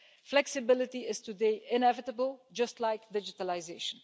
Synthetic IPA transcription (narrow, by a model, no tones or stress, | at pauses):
flɛksɪbɪlɪtiɪz̥tudeɪɪ̃nɛvɪtəbəlˠd͡ʒʌstlaɪkdɪd͡ʒɪtəlaɪzeʃə̃n